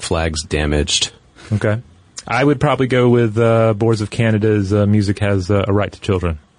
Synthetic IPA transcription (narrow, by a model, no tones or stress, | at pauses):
flæɡzdæmɪd͡ʒd̥ | oʊkʰeɪ | ʔaɪwɨd̚pʰɹ̥ɑbəbliɡoʊwɪðʌbɔɹdzʌv̥kʰænɨɾɨzmjʉzɨkhɨzʌəɹaɪtʰə̥t͡ʃʰɪlˠdɹɨ̃n